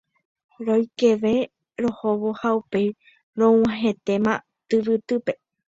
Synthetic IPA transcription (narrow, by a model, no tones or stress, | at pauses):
ɾojke̞ʋe̞ | ɾo̞hoβohaupe̞j | ɾõw̃ãɦe̞t̪e̞mã | t̪ɨʋɨt̪ɨpe̞